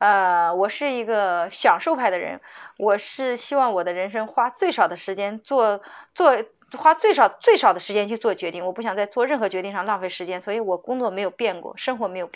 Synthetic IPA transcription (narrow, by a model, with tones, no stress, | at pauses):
ə˧wɔ˨˩ʂɻ̩˥˩i˧˥ɡə˧ɕjɑ˨˩ŋʂo˥˧ʊpʰa˥˩ɪd̪ə˩ɻə̰˧˥nwʔɔ˨˩ʂɻ̩˥˩ɕi˥wɑ˥˩ŋwɔ˨˩d̪ə˦ɻə˧˥nʂ̬ɤ˥ŋxwa˥t͡swe˥˩ɪʂɑ˨˩ʊd̪ə˦ʂɻ̩˧˥t͡ɕjɛ˥nt͡swɔ˥˧t͡swɔ˥˧ | xwa˥t͡swe˥˩ɪʂɑ˨˩ʊt͡swe˥˩ɪʂɑ˨˩ʊd̪ə˦ʂɻ̩˧˥t͡ɕjɛ˥nt͡ɕʰy˧t͡swɔ˥˩t͡ɕɥɛ˧˥t̪i˥˩ŋwɔ˨˩pu˥˩ɕjɑ˨˩ŋt͡sa˥˧ɪt͡swɔ˥˧ɻə˥˩nxɤ˧˥t͡ɕɥɛ˧˥t̪i˥˧ŋʂɑ˥˧ŋlɑ˥˧ŋfe˥˩ɪʂɻ̩˧˥t͡ɕjɛ˥nswɔ˧˥i˧˥wɔ˨˩˦kʊ˥ŋt͡swɔ˥˩me˧˥ɪjo˨˩ʊpjɛ˥˩nkwɔ̰˥˩ʂɤ˥ŋxwɔ˧˥me˧˥ɪjʊp